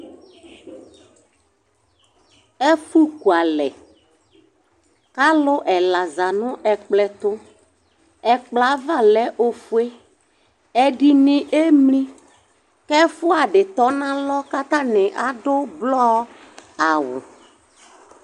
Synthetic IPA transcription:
ɛ˦fu˦ku˨a˨lɛ˨ | ka˦lʊ˦ʔɛ˨la˨za˨nʊ̃˦ʔɛ˨k͡plɛ˨t̪ʊ˦ | ɛ˨k͡pla˨˦va˦˨lɛ˦ʔo˦fu˦e˦ | ɛ˨ɖi˨nɪ̃˨ʔe˦mlĩ˦ | kɛ˦fʊ˦a˨ɖɪ˨t̪ɔ˨˦nã˦lɔ˦ka˦t̪a˦nɪ̃˨ʔa˨dʊ˦blɔ˦ | a˨wʊ̰˨

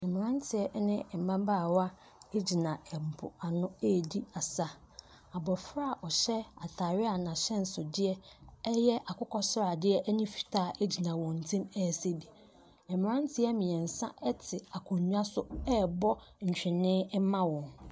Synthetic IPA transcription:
ɛ˨m̃˨ɾã˦n˦tʰɪ˨ɛ˦nɪ̃˦ɛ˨mã˦baː˦˨wa˦ | e˦d͡ʑi˨nã˨ɛ˨bʊ̰˨a˨nʊ̃˦eː˦˨di˦a˨sa˦ | a˨bɔ˨fɾa˦˨ʔɔ˨ɕɛ˦a˨tʰaː˨ɾɪ˦a˨nã˨ɕɛ̃˦n̩˨sʊ˨dɪ˦ɛ˦ɛ˦jɛ˦ʔa˨kʰʊ˦kʰɔ˦sʊ˦ɾa˨dɪ˦ɛ˦ʔɛ˦nɪ̃˦fi̥˨tʰaː˦˨ʔe˦d͡ʑi˨nã˨wɔ̃˨n̩˨tʰĩ˦mɛ˦˨se˦di˨ | ɛ̃˨m̃˨ɾã˦n˦tʰɪ˦ɛ˦mĩ˨ɛ˨n̩˨sã̰˦ʔɛ˦tʰɪ˨a˨kʰʊ̃˨ɲᶣ˦u˦a˦sʊ˦ɛ˦bɔ˦ɲ̩˨t͡ɕᶣɪ̃˨nɪ̃˦ɛ˦mã˦wɔ̃˨n

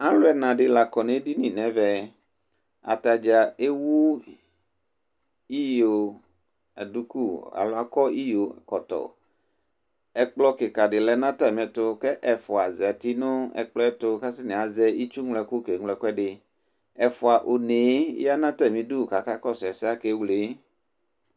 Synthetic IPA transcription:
ã˦lʊ˦ɛ˨nã˨ɖɪ˨la˨kɔ˨nẽ˨˦di˦nĩ˨nɛ̃˨˦vɛ˨ | a̰˨t̪a˨d͡ʒa˨e˦wu˦ | i˦jo˨ | a˨du˦ku˦˨a̰˨lʊ˦a˦kɔ˦i˦jo˨kɔ˨t̪ɔ̰˨ | ɛ˨k͡plɔ˦kɪ˨ka˨ɖɪ˨lɛ˨nã˦t̪a˦˨m˨ɛ˨t̪ʊ˦kɛ˦ʔɛ˨fʊ˨a˨zɛ˨a˨t̪i˦nʊ̃˦ɛ̰˨k͡plɔ˦ɛ˦t̪ʊ˦ka˦sɪ˦nẽ˨a˨zɛ˦i˦t͡ʃu˦ŋlɛ˨ku˦ke˨ŋlɛ˨kɖɪ˨ | ɛ˨fʊ˨a˨ʔo˨ne˨˦a˦nã˦t̪a˦˨mĩ˨du˦˨ka˨ka˦kɔ˦sɛ˨sɪ˦a˦ke˦wle˨˦

